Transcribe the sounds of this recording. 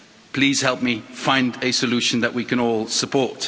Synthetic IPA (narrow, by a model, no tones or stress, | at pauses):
pʰl̥iːz̥hɛlˠp̚mifãɪ̃ndɨsəlʉʃə̃nðəʔwikə̃ñɔːlˠsəpʰɔˑɹt